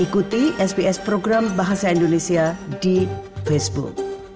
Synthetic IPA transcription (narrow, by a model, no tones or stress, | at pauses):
ekut̪iesbiespɾoɡɾambaɦasaindonesijadipʰesbṵk